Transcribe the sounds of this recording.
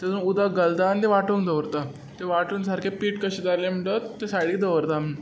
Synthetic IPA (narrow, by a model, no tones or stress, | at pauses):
t̪ed͡zunud̪aɡəlt̪anit̪eʋaʈuːnd̪əʋɾt̪a | t̪eʋaʈuːnsaɾkʰepiːʈkəɕed͡z̪aɾlem̤əɳʈət̪ːesaɽiːd̪əʋɾt̪am̤əɳ